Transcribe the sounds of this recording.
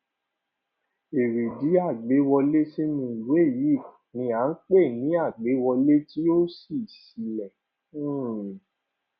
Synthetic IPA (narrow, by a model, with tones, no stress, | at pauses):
e˨ɾi˨di˨˦a˦˨ɡ͡be˨˦wɔ˧le˦se˦mĩ˧˦˨lu˨˦e˦˨ji˨˦˨ | nĩ˧a˨˦n̩˦k͡pe˦˨nĩ˨˦a˦˨ɡ͡be˨˦wɔ˧le˦ti˦o˦si˦˨si˨˧lɛ̃˨˦˨